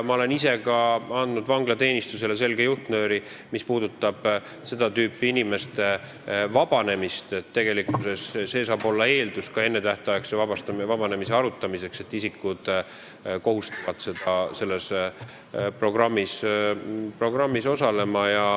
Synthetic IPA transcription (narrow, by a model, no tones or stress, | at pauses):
mɑole̞nise̞kɑɑnd̪nud̪vɑŋɡlɑt̪e̞ːnʲist̪uselese̞lɡ̥e̞juht̪nø̞ːɾi | mispuːd̪ut̪ːˑɑb̥ | se̞d̪̥ɑt̪yːpːiinime̞st̪e̞ | vɑb̥ɑne̞mist̪et̪ːe̞ɡ̥e̞likːˑuse̞sse̞ːsɑːbo̞lːɑe̞ːld̪uskɑe̞nːe̞t̪æht̪ɑjeksevɑbɑst̪ɑvɑb̥ɑne̞mise̞ɑɾut̪ːˑɑmise̞kse̞t̪ːisikːud̪̥ | ko̞ɦust̪ɑ̥vɑd̪̥se̞d̪̥ɑse̞lːe̞s | pro̞ɡ̥rɑmːis | pro̞ɡrɑmːiso̞sɑle̞mɑjɑ